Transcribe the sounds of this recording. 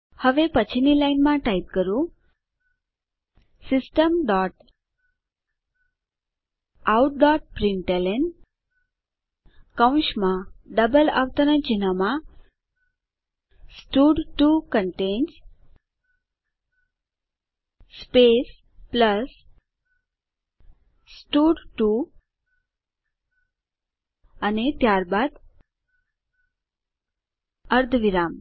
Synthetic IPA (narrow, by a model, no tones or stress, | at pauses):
həʋepət͡ɕʰinilainmãʈait̪̚kəɾũ | sisʈəmɖɔʈ | awʈ̚ɖɔʈ̚pɾiɳʈelen | kaw̃ɕmãɖəbəla̰ʋt̪ənət͡ɕinamã | sʈuɖʈukəɳʈẽns | pes | pləs | sʈuɖʈu | anet̪jaɾbad̪ | əɾd̪ʱʋiɾam